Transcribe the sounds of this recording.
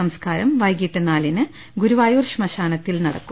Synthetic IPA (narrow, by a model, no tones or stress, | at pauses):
ɐmskaːɾɐmʋɐjɡiʈːɐnaːlinɨ | ɡuɾuʋaːjuːrʂmɐɕaːnɐt̪ːilnɐɽɐ̰kːum